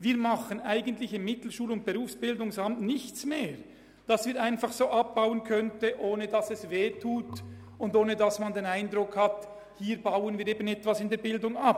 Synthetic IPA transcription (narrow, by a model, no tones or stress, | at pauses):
viːɐmɑχənaɪɡən̩tlɪçɪmːɪtl̩ʃuːlʊnt̚b̥eʁuːfsb̥ɪldʊŋsɑmtnɪçt͡smeːʁ | d̥ɑsviːɾaɪnfɑχsoːʔɑp̚b̥aʊənkʰœntəʔoːnədɑsɛsveːtʰuːt | ʊndoːnədɑsmɑndeːnaɪndʁʊkhɑt | hiːɾbaʊənviːɾeːbənɛtvɑsɪndeːɐɾbɪldʊŋap̚